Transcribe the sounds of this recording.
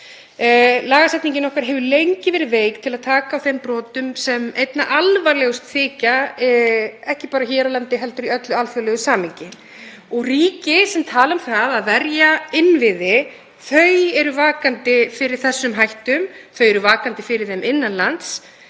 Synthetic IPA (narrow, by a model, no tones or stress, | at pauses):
laːɣasɛjt̪niɲcɪnɔhkaɾ̥ɦɛvʏlejɲcɪvɛːɾɪveːjkt̪ʰɪlaðt̪ʰaːkaːwθempɾɔːt̪ʏmsɛmejt̪naʔalvaɾlɛɣʏst̪θɪːca | ɛhcɪpaːɾaçɛːɾawlant̪ɪɦɛlt̪ʏɾiœt̪lʏalfœlɛɣʏsaːmɪɲcɪ | ɔɣriːcɪsɛmt̪ʰaːlaʏmθaðaðvɛɾjaɪnvɪðɪ | θœɥɛɾʏvaːkant̪ɪfɪɾɪɾ̥θɛsːʏmɦajht̪ʏmθœɥɛɾʏvaːkant̪ɪfɪɾɪɾθemʔɪnːanlant̪s